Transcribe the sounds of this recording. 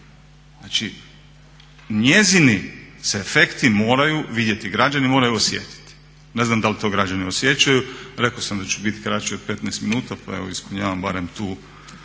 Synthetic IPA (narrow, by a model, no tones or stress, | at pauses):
znat͡ʃi | ɲe̞ziniseːfe̞kt̪imo̞ːɾajuʋid̪je̞t̪iɡɾad͡ʒanimo̞ːɾajuosjḛt̪i̥t̪i̥ | ne̞znamd̪alit̪o̞ɡɾad͡ʒaniosje̞t͡ʃajuɾe̞kosamd̪at͡ɕubit̪kɾat͡ʃio̞d̪̚pe̞t̪nɛːst̪minuːt̪apa̰e̞̰ʋo̰ispuɲaːʋambaɾemt̪uː